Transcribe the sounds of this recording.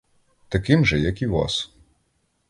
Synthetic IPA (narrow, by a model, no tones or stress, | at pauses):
t̪ɐkɪmʒɛjɐkiʋɑ̰s